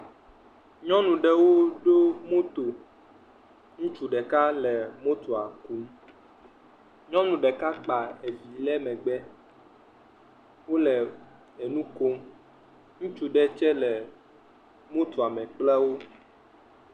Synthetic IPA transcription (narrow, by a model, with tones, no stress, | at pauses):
ɲɔ̃˦nũ˨ɖɛ˦wo˦ɖo˦mo˦t̪o˨ | ŋũ˦t͡ʃu˨ɖɛ˨ka˦lɛ˨mo˦t̪o˨a˨ku˨˦m | ɲɔ̃˦nũ˨ɖɛ˨ka˦k͡pa˨e˨vi˨lɛ˦mɛ̃˨ɡ͡bɛ˦ | wo˦lɛ˨ | e˨nũ˦ko˦m | ŋũ˦t͡ʃu˦ɖɛ˦t͡ʃɛ˦lɛ˨ | mo˦t̪o˨a˨mɛ̃˨k͡plɛ˦wo˦